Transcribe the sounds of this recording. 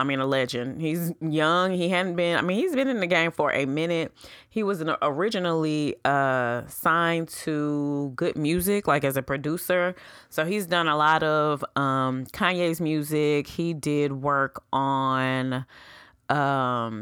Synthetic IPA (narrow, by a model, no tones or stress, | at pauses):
aɪmĩnəlɛd͡ʒɨ̃nd̥̚hizjʌ̃ŋiɦædⁿn̩b̥ɪ̃naɪmĩnhizbɨ̃nɨ̃nðɨɡẽɪ̃ɱfə˞ʔɨmɪ̃nɪt̚hiwʌz̃nʔə˞ɪd͡ʒɨnl̩ˠiʌsãɪ̃ntʰəɡʊd̚mjʉzɪklaɪkɨzɨpʰɹ̥ɨdʉsə˞ | soʊizdʌ̃nəlɔɾʌv̥ʌ̃mkʰãɪ̃njeɪzmjʉzɪkhidɪd̚wɜ˞k | n̩ | ʔʌ̃m